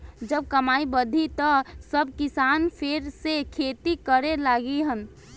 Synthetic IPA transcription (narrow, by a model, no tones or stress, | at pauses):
d͡ʒəb̚kəmaːibəd̪ʱit̪ɔsəb̚kisanpʰeɾsekʰet̪ikəɾelaɡiɦən